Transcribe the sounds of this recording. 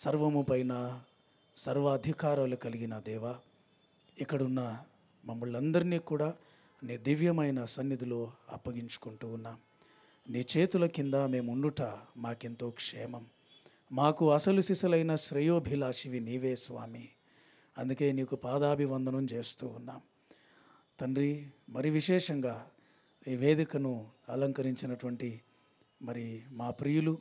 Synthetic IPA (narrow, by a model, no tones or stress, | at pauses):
sɐɾʋɐmupɐjnɐ | sɐɾʋɐːd̪ʱikaːɾɐlukɐliɡinɐd̪ɛːʋa | ikːɐɽunːɐ | mɐmːuɭːɐnd̪ɐɾiniːkuːɽaː | niːd̪iʋjɐmɐjnɐsɐnjid̪iloːɐ̰pːɐɡiɲt͡ʃu̥kuɳʈuːnːaːm | niːt͡ʃe̞ːt̪ulɐkind̪aːme̞ːmuɳɖuʈaːmaːkent̪oːkʂɛːmɐmː | aːkuɐsɐlusisɐlɐjnɐʃɾɐjoːbʱilaːʃiʋiniːʋeːsʋaːmi | ɐnd̪uke̞ːniːkupaːd̪aːbʱiʋɐnd̪ʱɐnɐmt͡ʃe̞ːst̪uːunːaːm | t̪ɐɳɾimɐɾiʋiʃɛːʂɐŋɡaː | iʋe̞ːd̪ikɐnuɐlɐŋkɐɾiɲt͡ʃinɐʈuʋɐɳʈi | mɐɾimaːpɾijulu